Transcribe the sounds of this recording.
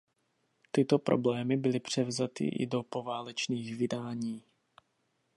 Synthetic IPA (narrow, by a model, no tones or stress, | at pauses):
t̪ɪt̪o̞pɾo̞̰blɛːmɪbɪlɪpr̝̥ɛvzat̪ɪ̰ʔɪ̰do̞po̞vaːlɛt͡ʃniːxvɪdaːɲiː